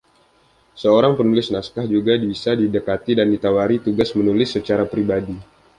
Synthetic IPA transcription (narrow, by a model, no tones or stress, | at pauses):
səoɾaŋpənulɪsnaskahd͡ʒuɡadibisadidəkat̪idandit̪awaɾit̪uɡasmənulɪsːət͡ʃaɾapɾibadi